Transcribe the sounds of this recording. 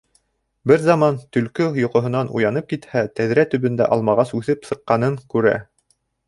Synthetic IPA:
bɘɾzɑmɑnt̪ɵ̆lkɵjŏqŏɦɤ̆nɑnṵjɑnɤp̚kit̪hæt̪æðɾæt̪ɵ̆βɘ̆nd̪æ̰ʔɑlˠmɑʁɑsʉθɘpsɤ̆qːɑnɤŋkʉɾæ̰

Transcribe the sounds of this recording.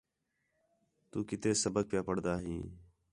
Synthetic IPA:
t̪uːkɪt̪eːsəbəɡ̚pɪjaːpəɽd̪aːɦĩː

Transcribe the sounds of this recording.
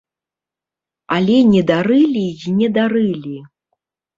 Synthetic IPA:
alʲɛnʲɛd̪aɾɨlʲiinʲɛd̪aɾɨlʲi

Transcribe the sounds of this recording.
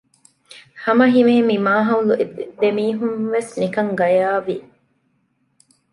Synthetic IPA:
hɐmɐɦimeːmimaːɦɐuluʔidd̪emiːɦunʋesnikɐŋɡɐjaːʋi

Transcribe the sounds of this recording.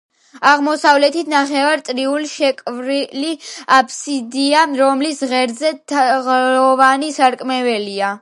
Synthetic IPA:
aʁmɔsavlɛt̪ʰit̪ʰnaχɛvaɾt̪ʼɾiulʃɛkʼvɾiliapʰsid̪iaɾɔmlisʁɛɾzɛt̪ʰʁlɔvanisaɾkʼmɛvɛlia

